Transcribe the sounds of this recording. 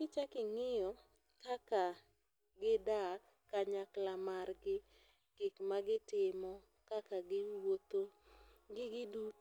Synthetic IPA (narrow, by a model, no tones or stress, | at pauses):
kɪt͡ʃakɪŋɪjɔ | kaka | ɡɪda | kaɲaklamarɡɪ | ɡ̥ɪkmaɡɪtɪmɔ | kakaɡɪwot̪oɡɪɡɪdut